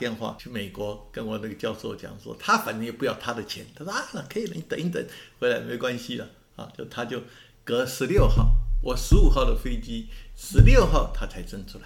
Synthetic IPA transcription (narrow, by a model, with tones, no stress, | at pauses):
jɛ˥˧nxwa̰˥˩t͡ɕʰy˥˧me˨˩ɪkwɔ˧˥kə˧˥nwɔ˨˩na˥˩ɡə˩t͡ɕjɑ˥˧ʊʂo˥˩ʊt͡ɕjɑ̰˨˩˦ŋʂwɔ̰˥t̪ʰa˥fa˨˩nə˧˥ŋjɛ˨˩pu˥jɑ˥˩ʊt̪ʰa˥d̪ə˨t͡ɕʰjɛ̰˧˥nt̪ʰa˥a˥˩nə˨˩kʰə˧˥i˨lə˧˥ŋ˧˩t̪ə˨˦ni˥˩t̪ə̰˨˦nxe˧˥la˧˥ɪme˧˥ʊkwa˥nɕi˨lə̰˨ | a̰˧˩t͡ɕjo˥˧ʊʂt̪ʰa˥t͡ɕjo˥˩ʊ | kɤ˧˥ʂɻ̩˧˥ljo˥˧ʊxɑ̰˥˩ʊwɔ˨˩ʂɻ̩˧˥u˨˩xɑ˥˩ʊd̪ə˩fe˥ɪt͡ɕi˥ʂɻ̩˧˥ljo˥˧ʊxɑ˥˩ʊt̪ʰa˥t͡sʰa˧˥ɪʈ͡ʂə˥˩ŋʈ͡ʂʰu˧˥la˧˦ɪ